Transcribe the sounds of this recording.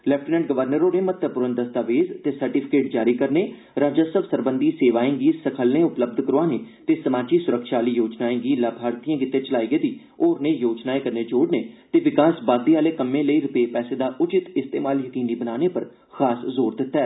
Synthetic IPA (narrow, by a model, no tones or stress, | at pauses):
lɛpʰʈːnɛ̃ɳʈ̚ɡəʋəɾnəɾõːneːmət̪ʰəpʊɾənd̪əst̪aːʋeːzt̪eːsəɾʈipʰɪ̥keːʈd͡ʒaːɾiːkəɾneː | ɾaːd͡ʒaːsəbsəɾbənd̪iːseːʋaːẽːɡiːsəkʰəlnẽːʊpləb̚d̪ʱkəɾoaːneːt̪eːsəmaːd͡ʒiːsʊɾəkʃaːliːjoːd͡ʒnaːẽːɡiːlaːbʱaːɾt̪ijãːɡɪt̪ːeːt͡ʃəlaːiːɡed̪iː | oːɾnẽːjoːd͡ʒnaːẽkəɾneːd͡ʒoːɽneːt̪eːʋɪkaːsbaːd̪eːaːleːkəmːẽːləiːɾʊpeːpɛːseːd̪aːʔʊt͡ʃɪt̪ɪst̪ḛːmaːljəkiːniːbənaːneːpəɾ | xaːszoːɾd̪ɪt̪ːɛː